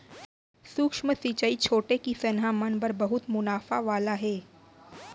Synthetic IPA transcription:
sʊkʃməsit͡ʃəit͡ʃʰoːʈekisɐnɦamənbɐɾbɐɦʊt̪mʊnaːfaʋaːlaɦɛː

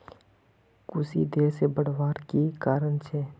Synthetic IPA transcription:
kʊsḭd̪eːɾsebəɽ̤ʋaːɾkikaːɾənt͡ʃʰɛː

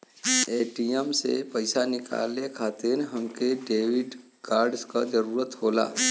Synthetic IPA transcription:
eːʈiemsḛpəɪsanɪka̰ːlekʰaːt̪inɦɐmkeɖeːʋɪɖ | kaːɾɖskad͡ʒəɾuːɾət̪ɦoːla̰ː

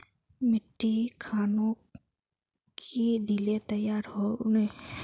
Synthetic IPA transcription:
mɪʈːikʰaːnõ | kʰid̪ʱilet̪əjaːɾɦone

